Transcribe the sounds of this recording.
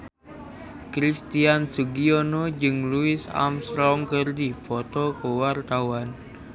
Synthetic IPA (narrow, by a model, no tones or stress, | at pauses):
kɾist̪iansuɡionod͡ʒɨŋluɪsa̰mst̪ɾɔŋkɨrdifɔt̪ɔkəwart̪awan